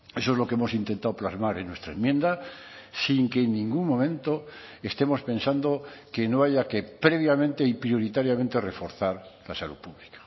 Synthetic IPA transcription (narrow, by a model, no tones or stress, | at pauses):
e̞soe̞zlo̞keemo̞sint̪e̞nt̪aoplazmaɾenwe̞st̪ɾaemje̞nd̪a | siŋkeːnːĩŋɡuŋmõ̞mẽ̞nt̪o | est̪e̞mo̞spẽ̞nsand̪oke̞no̞aʝake̞pɾe̞β̞jamẽ̞nt̪e̞ipɾjo̞ɾit̪aɾjamẽnt̪e̞re̞fo̞ɾθaɾlasalṵðpuβlikḁ